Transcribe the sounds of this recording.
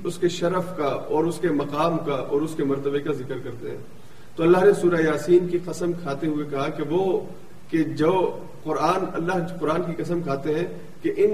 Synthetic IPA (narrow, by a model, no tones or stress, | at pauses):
ʊskeʃɐɾəfkaɔːɾʊskemɐqaːmkaʔɔːɾʊskemɐɾt̪əbekazɪkəɾkɐɾt̪eɦɛ̰̃ː | t̪oɐlːaɦnesuːɾajaːsiːnkiqɐsəmkʰaːt̪eɦʊekɐɦakeʋo | ked͡ʒoː | qʊɾaːnɐlːaɦqʊɾaːnkikɐs̬əmkʰaːt̪eɦɛ̃ː | keʔɪn